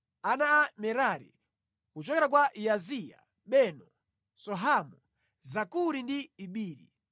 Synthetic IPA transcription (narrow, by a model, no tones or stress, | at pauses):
anaːmɛɾaɾḭ | kut͡ʃɔkɛɾak̬waʔiazija̰ | ɓɛnɔ | sɔɦamu | zakuɾindiːɓiːɾḭ